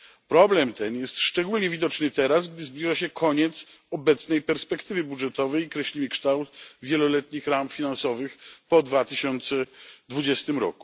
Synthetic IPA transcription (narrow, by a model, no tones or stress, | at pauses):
pɾɔblɛmt̪ɛnjɛst̪ʂt͡ʂɛɡulɲɛvʲid̪ɔt͡ʂnɘt̪ɛɾazɡd̪ɘzblʲiʐaɕɛkʰɔɲɛt̪s | ɔbɛt̪snɛjpɛɾspɛkt̪ɘvɘbudʐɛt̪ɔvɛjkɾɛɕlʲimɘkʂt̪awt̪vʲjɛlɔlɛt̪ɲixɾamfʲinansɔvɘxpɔd̪vat̪ɘɕɔnt̪sɛd̪vud͡ʑɛst̪ɘmɾɔ̰ku̥